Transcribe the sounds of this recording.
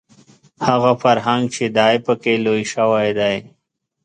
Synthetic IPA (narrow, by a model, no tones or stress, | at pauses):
haɣafaɾɦaŋɡt͡ʃʰed̪aːjpəkelojʃawajd̪aj